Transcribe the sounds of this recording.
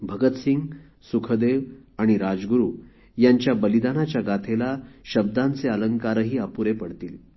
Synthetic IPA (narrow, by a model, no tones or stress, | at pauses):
bʱəɡət̪siŋɡ | sukʰəd̪eʋaɽ̃iɾad͡zɡuɾuː | jaɲt͡ɕjabəlid̪anat͡ɕjaɡat̪ʰelaɕəb̚d̪ãnt͡seələŋkaɾəɦiːapuɾepəɽt̪iːl